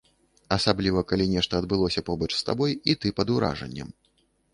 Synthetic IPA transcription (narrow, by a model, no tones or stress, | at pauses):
ɐsablʲivɐkalʲinʲɛʂt̪ɐːd̪̚bɨlˠɔsʲɐpɔbɐt͡ʂst̪a̰bɔjit̪ɨpɐd̪uɾa̰ʐɐ̰nʲːɐ̰m